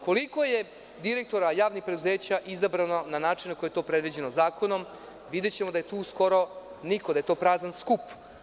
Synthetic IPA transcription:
ko̞liko̞je̞ | d̪iɾe̞k̚t̪o̞ɾajaːʋnixpɾe̞d̪uze̞ːt͡ɕaʔizabɾanonanaːt͡ʂinakojejt̪o̞ːpɾed̪ʋid͡ʑe̞nozaːko̞no̞m | ʋid̪e̞t͡ɕemod̪aje̞t̪uːsko̞ɾo̞nikod̪aje̞t̪o̞ːpɾaːznanskup

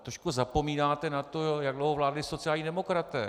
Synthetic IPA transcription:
t̪ɾoʃkuzapo̞miːnaːt̪ɛnat̪o̞jaɡdlowɦovlaːdlɪso̞t͡sɪjaːlɲiːdɛmo̞kɾat̪ɛ̰ː

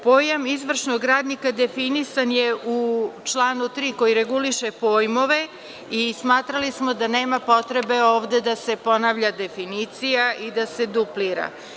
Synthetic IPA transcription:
po̞ːjamizʋr̩ʃnoɡɾaːd̪nikad̪e̞finisanjeut͡ʃlˠaːnut̪ɾiːko̞jiɾe̞ɡuliʃepo̞ːjmo̞ʋe̞ | ismaːt̪ɾalismo̞d̪ane̞ːmapo̞t̪ɾe̞be̞o̞ːʋd̪e̞d̪ase̞po̞naːʋʎad̪e̞finiːt̪sijaʔid̪ase̞d̪upliɾa̰

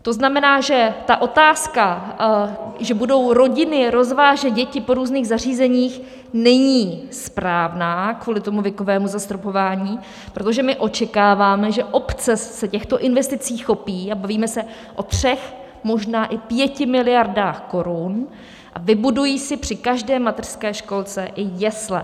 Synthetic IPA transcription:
t̪o̞znamɛnaːʒɛt̪aʔo̞t̪aːska | ʒɛbudo̞wɾo̞ɟɪnɪɾo̞zvaːʒɛt̪̚ɟɛcɪpo̞ɾuːzniːɣzar̝iːzɛɲiːx | nɛɲiːspɾaːvnaːkvuːlɪt̪o̞muvjɛko̞vɛːmuzast̪ɾopo̞vaːɲiː | pɾo̞t̪o̞ʒɛmɪʔo̞t͡ʃɛkaːvaːmɛʒɛʔo̞pt͡sɛsɛcɛxt̪o̞ʔɪnvɛst̪ɪt͡siːxːo̞piːabaviːmɛsɛ | ʔo̞t̪r̝̥ɛx | mo̞ʒnaːʔɪpjɛcɪmɪlɪjaɾdaːxko̞ɾun | ʔa̰vɪbudujiːsɪpr̥ɪkaʒdɛːmat̪ɛr̥skɛːʃko̞lt͡sɛʔɪjɛslɛ

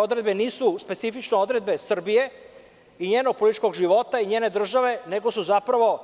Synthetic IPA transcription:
od̪ɾe̞d̪be̞niːsuspet̪sifit͡ʃnoo̞d̪ɾe̞d̪̚be̞sr̩bije̞ | iɲeːnoɡ̚po̞lit̪i̥t͡ʃko̞ɡʒiʋo̞t̪aiɲe̞ːne̞d̪r̩ʒaʋe̞ne̞ɡo̞suzapɾaʋo̞

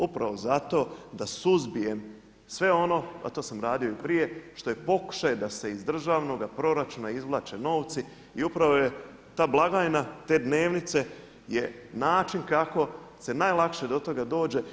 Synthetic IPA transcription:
upɾaʋo̞zat̪o̞ːd̪asuzbije̞m | sʋe̞o̞no̞a̰t̪o̞ːsamɾaːd̪io̞ipɾije̞ʃt̪o̞je̞po̞ku̥ʃajed̪ase̞izd̪r̩ʒaːʋno̞ɡapɾo̞ɾat͡ʃunaizʋlˠaːt͡ʃe̞no̞ːʋt̪si | iupɾaʋo̞je̞ | t̪aːblˠaɡajnat̪e̞ːd̪ne̞ːʋnit̪se̞ | je̞naːt͡ʃinkako̞se̞najlˠakʃe̞d̪o̞t̪o̞ɡad̪o̞ːd͡ʒe̞

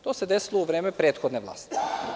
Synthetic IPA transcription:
t̪oːsed̪esilouʋɾeːmepɾeːt̪xod̪neʋlˠa̰ːst̪i̥

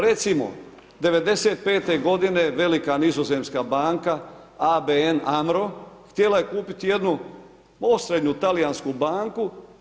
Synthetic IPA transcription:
ɾe̞t̪simo̞̰ | d̪e̞ʋe̞d̪e̞seːt̪̚pe̞ːt̪e̞ɡo̞d̪ine̞ʋe̞likanizoze̞mskabaːŋka | abeenamɾo̞xt̪jelaje̞kuːpit̪ije̞d̪nu | o̞sɾed̪ɲut̪alijanskubaːŋku

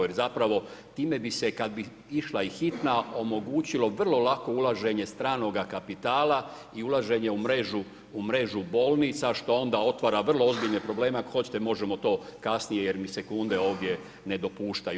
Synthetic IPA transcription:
jeɾzapɾaʋo̞t̪iːme̞bise̞kad̪̚bi | iʃlaixit̪nao̞mo̞ɡuːt͡ɕilo̞ʋr̩lˠo̞lako̞ulˠaʒe̞ɲe̞st̪ɾaːno̞ɡakapit̪aːla | iulˠaʒe̞ɲe̞umɾeʒuː | mɾe̞ʒubo̞ːlˠniːt̪saʃt̪o̞o̞nd̪ao̞t̪ʋaːɾaʋr̩lˠoo̞zbiʎnepɾo̞ble̞ːmexo̞t͡ɕt̪emo̞ʒemo̞t̪o̞ːkasnijeje̞ɾmise̞kund̪e̞o̞ːʋd̪je̞ | ne̞d̪o̞puːʃt̪aju

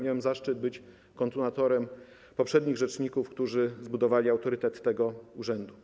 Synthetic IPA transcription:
mʲjawɛmzaʂt͡ʂɘd̪̚bɘt͡ɕ | kɔnt̪unat̪ɔɾɛm | pɔpʂɛd̪ɲiɣʐɛt͡ʂɲikufkt̪uʐɘzbud̪ɔvalʲiawt̪ɔɾɘt̪ɛt̪ːɛɡɔuʐɛnd̪u

